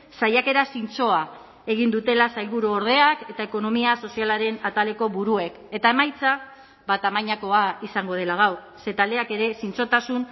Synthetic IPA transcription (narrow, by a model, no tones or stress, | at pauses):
sajake̞ɾasint͡so̞a | e̞ɣ̞ind̪ut̪e̞lasajlβuɾuoɾð̞e̞ake̞t̪ae̞ko̞no̞miaso̞sialaɾe̞nat̪ale̞ko̞βuɾue̞k | e̞t̪ae̞majt͡sa | bat̪amaɲako̞aisaŋɡo̞ð̞e̞laɣ̞aw | se̞t̪ald̪e̞ake̞ɾe̞sint͡so̞t̪asun